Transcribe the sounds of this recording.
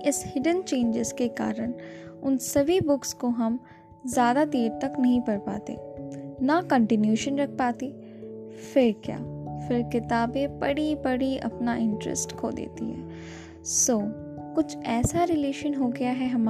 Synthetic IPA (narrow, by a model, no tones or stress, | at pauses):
ɪshɪɖənt͡ʃẽːnd͡ʒɪzkeka̰ːɾənʊnsɐbʱibʊkskoɦɐm | zjaːd̪ad̪eːɾt̪ɐknɐɦĩpɐɽpa̰ːt̪ḛːnakɐ̃ɳʈɪnjuːʃənɾɐk̚ʰpaːt̪eː | fɪɾkja̰ːfɪɾkɪt̪aːbẽbɐɽibɐɽiɐ̰pnaʔɪ̃ɳʈɾə̰sʈkʰo̰ːd̪ḛːt̪ḭɦɛ̰ː | soː | kʊt͡ʃʰɛːsaɾɪleːʃənɦoːɡɐjaɦɛɦɐm